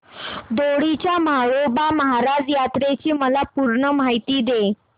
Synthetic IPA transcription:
d̪oɽit͡ɕjamaɭobaməɦaɾad͡zjat̪ɾet͡ɕiːməlapuɾɳəm̤ajt̪iːd̪e

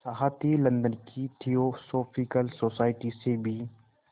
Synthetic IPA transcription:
səɦat̪ilɐ̃nd̪ənkit̪ʰiosoːpʰikəlsoːsaːɪʈisebʱi

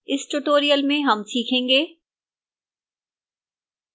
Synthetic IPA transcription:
ɪsʈuʈoːɾijəlmẽɦɐmsiːkʰẽːŋɡeː

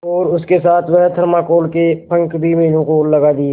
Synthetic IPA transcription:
ɔːɾʊskesaːt̪ʰmɦt̪ʰəɾmakoːlkepʰə̃ŋkbʱiməɦiːnõkolːəɡaːd̪ie

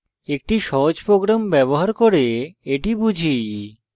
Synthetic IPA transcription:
ek̚ʈiʃɔɦod͡ʑpɾoɡɾambɛboɦaɾkoɾeeʈibud͡ʑʱi

